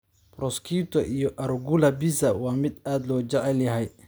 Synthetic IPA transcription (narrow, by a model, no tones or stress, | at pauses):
prɔskʰiːt̪ʰɔʔijɔʔɐɾɡʊlɐbisɐwɑːmɪd̪aːd̪lɔːt͡ʃɛʕɛljɐɦɛj